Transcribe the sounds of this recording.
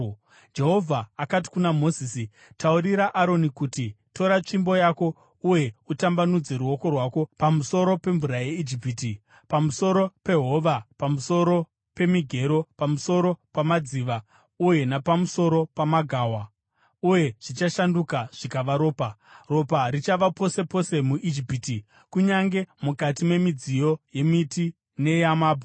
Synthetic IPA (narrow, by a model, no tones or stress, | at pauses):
d͡ʒe̞ɦo̞vʱaːkat̬i̥kunamo̞zisi | tauɾiɾaʔaɾo̞nikutito̞ɾat͡ʂimbo̞jako̞ | uje̞utambanud͡ze̞ɾuo̞ko̞rwako̞pamuso̞ɾo̞pe̞ɱvuɾajeid͡ʒip̬iːti | pamuso̞ɾo̞pe̞ɦo̞ʋapamuso̞ɾo̞ | pe̞miɡʱe̞ɾo̞pamuso̞ɾo̞pamad͡ziːʋa | uje̞napamuso̞ɾo̞pamaɡʱaːwa | uje̞ʐ̥it͡ʃaʃandukaʐ̥ikaʋaɾo̞ːparo̞paɾit͡ʃaʋapo̞se̞po̞se̞muʔid͡ʒipiːti | kuɲaŋɡe̞mukatime̞mid͡zijo̞je̞miti | ne̞jamaːbʱu